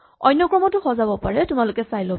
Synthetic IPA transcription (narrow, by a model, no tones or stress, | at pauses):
ɔ̰jnːɔkɹɔmɔtʊxɔzabɔpaɹɛtʊmalʊkɛsajlɔ